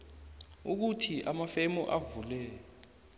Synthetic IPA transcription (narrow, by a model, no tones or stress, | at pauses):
uk̬utʰiʔamafemuʔavulɛːɔ